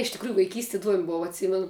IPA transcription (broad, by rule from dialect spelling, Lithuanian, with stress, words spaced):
ɪʃ tʲɪkˈruːjʊ ʋɐɪˈkʲiːsʲtʲɪ ɪˈduɔmʲ ˈboːʋɐ ɐtʲˈsʲiːmʲɛnʊ